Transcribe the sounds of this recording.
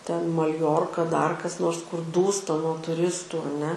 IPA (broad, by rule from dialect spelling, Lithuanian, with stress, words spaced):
tʲɛn mɐlʲˈjoːrkɐ dɐr kɐs ˈnoːrs kʊr ˈduːstɐ nuɔ tʊˈrʲɪstuː ɐˈnʲɛ